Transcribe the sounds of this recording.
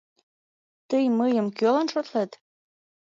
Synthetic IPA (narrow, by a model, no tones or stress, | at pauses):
t̪əjmɤjə̆mkølɑnʃot̪let̪